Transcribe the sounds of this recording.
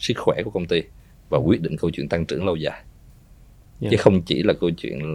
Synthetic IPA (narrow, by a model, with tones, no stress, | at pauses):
sɨ˦˥k̚xwɛ˧˩ku˧˩kə˧wŋ͡mt̪i˧ | vaː˨˩kwi˦˥ət̚ɗḭ̈˧˨ŋkə˧wt͡ɕwḭ˧˨ənt̪a˧ŋt͡ɕɨ̰˧˩əŋlə˧wzaː˨˩j | t͡ɕɨ˨˦xə˧wŋ͡mt͡ɕi˧˩laː˨˩kə˧wt͡ɕwḭ˧˨ən